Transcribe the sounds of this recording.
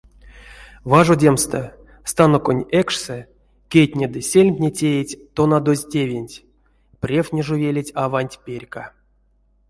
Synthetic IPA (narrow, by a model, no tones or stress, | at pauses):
vaʐodʲemst̪ə | st̪anokonʲɛkʂsɛ | kʲejt̪ʲnʲed̪ɨsʲelʲmʲpʲnʲetʲejetʲt̪onad̪ozʲtʲevʲenʲtʲ | prʲefnʲeʐuvʲelʲetʲavanʲtʲpʲerʲka